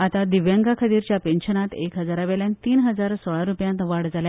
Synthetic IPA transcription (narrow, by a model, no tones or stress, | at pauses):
at̪ad̪iʋjaŋɡakʰət̪iːɾt͡ɕjapenɕənat̪ekɦəd͡zaɾaʋeljãnt̪iːnɦəd͡zaɾsɔɭaɾupjãnt̪ʋaɽd͡zalja